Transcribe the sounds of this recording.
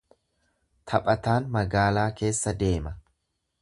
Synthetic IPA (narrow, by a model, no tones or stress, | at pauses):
t̪ʰɐpʼɐt̪aːnmɐɡaːlaːke̞ːsːɐd̪e̞ːmɐ